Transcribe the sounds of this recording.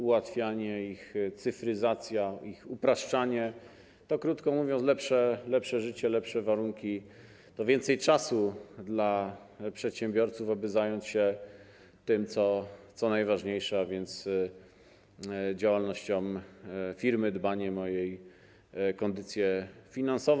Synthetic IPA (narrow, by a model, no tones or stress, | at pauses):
uwat̪fʲjaɲɛixt̪sɘfɾɘzat̪sʲjaixupɾaʂt͡ʂaɲɛ | t̪ɔkɾut̪kɔmuvʲjɔnslɛpʂɛlɛpʂɛʐɘt͡ɕɛlɛpʂɛvaɾuŋkʲi | t̪ɔvʲjɛnt̪sɛjt͡ʂasud̪la | pʂɛt̪ɕɛmbʲjɔɾt̪sufabɘzajɔɲt͡ɕɕɛ | t̪ɘmt̪sɔt̪sɔnajvaʐɲejʂɛavʲjɛnt̪s | d͡ʑawalnɔɕt͡ɕɔmfʲiɾmɘd̪baɲɛmɔjej | kɔnd̪ɘt̪sʲjɛfʲinansɔv